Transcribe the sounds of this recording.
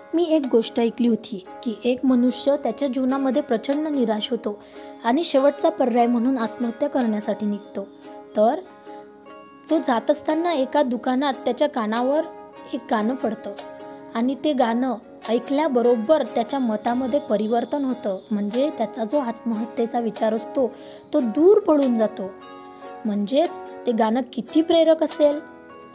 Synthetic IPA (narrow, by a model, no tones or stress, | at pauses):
miːek̚ɡoʂʈajkliːɦot̪iː | kiːʔekmənuʂjət̪jat͡ɕjad͡ʑunaməd̪ʱːjepɾət͡ɕəɳːəniɾaɕɦot̪o | aɽ̃iɕeʋəʈ̚t͡sapəɾːajm̤əɽ̃uːnat̪məɦət̪jəkəɾɳjasaʈiːnikt̪o | t̪əɾ | t̪od͡zat̪əst̪ʰanːaekad̪ukanat̪ːjat͡ɕjakaɽ̃aʋəɾ | ek̚ɡanəpəɽt̪əaɽ̃it̪eɡanə | əjkljabəɾobəɾt̪jat͡ɕjamət̪aməd̪ʱːjepəɾiʋəɾt̪ənɦot̪əːm̤əɳd͡zet̪jat͡sad͡zoat̪məɦət̪ːet͡saʋit͡ɕaɾəst̪o | t̪od̪uːɾpəɽuːnd͡zat̪o | m̤əɳd͡zet͡st̪eɡanəkit̪ʰiːpɾeɾəkəsel